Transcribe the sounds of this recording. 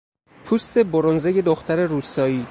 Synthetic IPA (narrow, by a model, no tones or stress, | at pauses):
pʰuːst̪ʰe̞boɾonzeje̞d̪oxt̪ʰæɾe̞ɾuːst̪ɒːiː